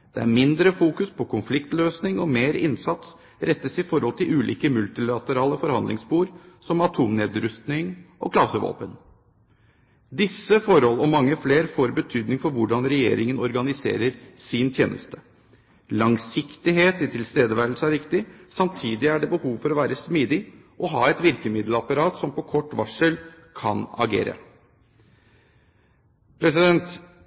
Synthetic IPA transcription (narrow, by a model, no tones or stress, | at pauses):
d̪̥ɛæ̰ɾmɪnd̪ɾəfuːkʉspʰɔkʰʊnflɪkt̪løːsnɪŋɔmeːɾɪnsɑt̪s | ɾɛt̪ːəsɪfɔɾhɔlt̪ʰɪlʉːlḭːkəmʉlt̪ɪlɑt̪əɾɑːləfɔɾhɑnd̪lɪ̰ŋsbuːɾsɔmɑt̪ʰuːmneːd̪ɾʉst̪nɪŋʔɔ̰kʰlɑsəʋo̰ːpən | d̪ɪsːəfɔɾhɔlɔmɑŋːəfleːɾfoːɾbət̪ʰyːd̪nɪŋfɔɾʋʊɖɑnɾɛjḛːɾɪŋənɔɾɡɑnɪsḛːɾəɾsɪnt̪ʰjḛːnʔə̰st̪ə̥ | lɑŋsɪkt̪ɪɦeːt̪ɪt̪ʰɪlst̪eːd̪əʋæɾl̩səæɾɪkt̪ɪsɑmt̪ʰiːd̪ɪæɖɛbəhuːʋfɔɾɔʋæːɾəsmiːd̪ɪ | ʔɔɦɑ̰ːɛt̪ʋɪɾkəmɪd̪ləɑpɑɾɑːt̪sɔmpɔkʰɔʈːʋɑʂəl | kʰɑ̰nɑ̰ɡḛːɾə̰ | pʰɾɛsɪd̪ɛnt̪